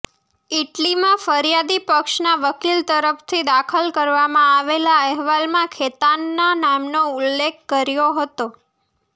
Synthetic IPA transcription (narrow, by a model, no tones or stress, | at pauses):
iʈlimãfəɾjad̪ipəkʃnaʋəkilt̪əɾəft̪ʰid̪akʰəlkəɾʋamãaʋelaəɦʋalmãkʰet̪anːanamnoulːekʰːəɾjoɦət̪o